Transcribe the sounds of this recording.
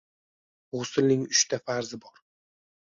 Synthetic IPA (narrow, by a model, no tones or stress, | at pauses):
ʁosɪlnɪŋʊʃt̪ʰafaɾzɪbɒɾ